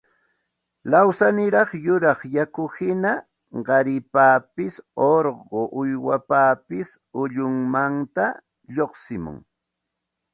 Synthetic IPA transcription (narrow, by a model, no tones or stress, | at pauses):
lawsanɪɾɑχjʊɾɑχjakʊhɪna | ɢɑɾɪpaːpɪsoɾɢoʔʊjwapaːpɪs | ʊʎʊŋmant̪a | ʎoχsɪmʊ̰ŋ